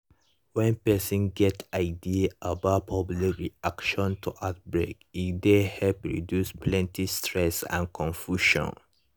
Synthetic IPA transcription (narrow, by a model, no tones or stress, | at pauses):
wɛ̃npɛsɔ̃nɡɛtaɪdiabaʊt̚pʰɔblikɹiakʃɔ̃ntʰuʔat̚bɹekitdehɛlpɹḭdjuspʰlɛ̃ntistʰɹɛsã̰nkʰɔ̃nfjuʃɔ̰̃n